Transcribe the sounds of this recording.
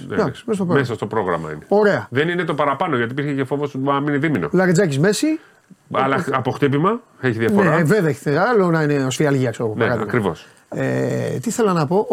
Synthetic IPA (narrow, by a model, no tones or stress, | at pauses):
nd̪ɐksi̥mest̪opɾomesɐst̪o̞pɾo̞ɣɾɐ̰mɐ̰ḭneo̞ɾe̞ɐðe̞nine̞t̪o̞pɐɾɐpɐnoʝɐt̪ipiɾçecefovosɐmineðimino̰lɐɾɐd͡zɐcizme̞si | ɐlɐɐpoxt̪ipimɐeçiðiɐfneɾeveðeç̥θeɐlonɐineosfiɐlʝiɐksoponeɾɐðiɐɣɐkɾivo̰s | ḛt̪iiθe̞lɐnɐpo̞ʔ